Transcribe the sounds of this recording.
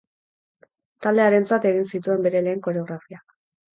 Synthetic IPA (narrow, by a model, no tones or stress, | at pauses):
t̪ald̪e̞aɾe̞nt͡sat̪e̞ɣ̞insit̪ue̞mbe̞ɾe̞le̞ːŋko̞ɾe̞o̞ɣ̞ɾafiak